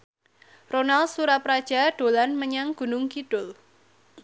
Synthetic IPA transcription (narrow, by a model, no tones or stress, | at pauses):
ronalsuɾapɾad̥ʒ̥a̤ɖ̥o̤lanməɲaŋɡ̥ṳnʊŋkiɖ̥ʊl